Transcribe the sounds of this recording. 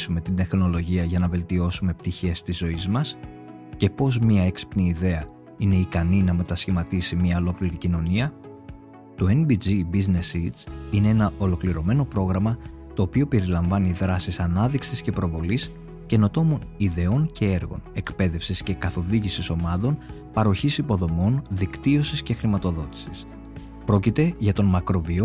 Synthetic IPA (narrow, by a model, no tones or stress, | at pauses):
sume̞t̪ind̪e̞xno̞lo̞ʝiɐʝɐnɐve̞lt̪io̞sume̞p̚t̪içe̞st̪izo̞izmɐs | ce̞po̞zmiɐeksi̥pniːðe̞ɐ | ine̞ikɐninɐme̞t̪ɐsçimɐt̪isimɲɐolo̞kliɾicino̞niɐ | t̪o̞e̞nbid͡zibizne̞sit͡sine̞e̞nɐʔo̞lo̞kliɾo̞me̞no̞pɾo̞ɣɾɐmɐt̪o̞ːpio̞pe̞ɾilɐɱvɐniðɾɐsisɐnɐðiksisce̞pɾo̞vo̞lis | ce̞not̪o̞mo̞niðe̞o̞nce̞e̞ɾɣo̞̰ne̞kpe̞ðe̞fsisce̞kɐθo̞ðiʝisiso̞mɐðo̞n | pɐɾo̞çisipo̞ðo̞mo̞nðikt̪io̞sisce̞xɾimɐt̪o̞ðo̞t̪i̥sis | pɾo̞cit̪e̞ʝɐt̪o̞nmɐkɾo̞vio̞